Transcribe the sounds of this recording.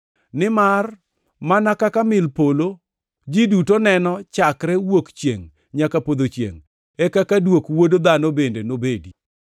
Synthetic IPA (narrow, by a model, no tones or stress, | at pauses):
nɪmar | manakakamɪlpolo | d͡ʒidutonɛnɔt͡ʃakɾɛwokt͡ʃjḛŋ | ɲakapod̪ot͡ʃjḛŋ | ɛkakadwokwodod̪anobendenobedi